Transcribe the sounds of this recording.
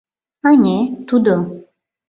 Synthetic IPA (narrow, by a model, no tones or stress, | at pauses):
anʲet̪ud̪o